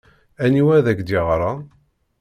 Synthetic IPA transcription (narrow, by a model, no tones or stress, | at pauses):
æniwæðækd̪iʁɾˤɑ